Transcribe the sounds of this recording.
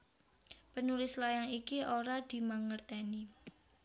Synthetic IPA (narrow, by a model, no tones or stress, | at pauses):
pənulɪslajaŋikiʔoɾad̪̥i̤maŋərt̪ɛni